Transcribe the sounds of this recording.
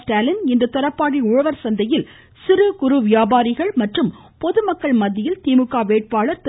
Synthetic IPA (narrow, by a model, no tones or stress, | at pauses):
ʈaːlɪnɪnd̪ɐt̪ɐɾɐpːaːɽiʊɻɐʋɐɾsɐnd̪ɐjɪl | sɪɾɯkʊɾɯʋɪjaːbaːɾɪɣɐɭmɐʈrɯm | pɔðɯmɐkːɐɭmɐðːɪjɪlt̪iːmɯkːaːʋeːʈ̚paːɭɐɾt̪